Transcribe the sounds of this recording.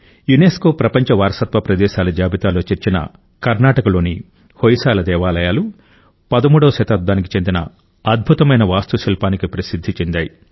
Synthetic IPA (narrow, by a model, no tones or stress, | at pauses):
juneːsko̞ːpɾɐpɐɲt͡ʃɐʋaːɾɐsɐt̪ʋɐpɾɐd̪ɛːʃaːlɐd͡ʒaːbit̪aːlo̞ːt͡ʃeɾt͡ʃinɐ̰ | kɐɾnaːʈɐkɐlo̞ːni | hojisaːlɐd̪ɛːʋaːlɐjaːlu | pɐd̪ɐmuːɽɐːʃɐt̪ɐd̪̚ːaːnik̬i̥t͡ʃend̪inɐ̰ | ɐd̪̚bʱut̪ɐmɐjnɐʋaːst̪usilpaːnikipɾɐsid̪ʱːit͡ʃend̪aːji